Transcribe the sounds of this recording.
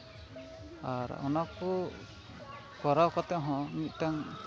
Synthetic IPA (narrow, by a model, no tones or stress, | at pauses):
aɾɔ̰nakɔ | kɔɾawkɔt̪ɛɦɔ̃mit̪̚ˀt̪aŋ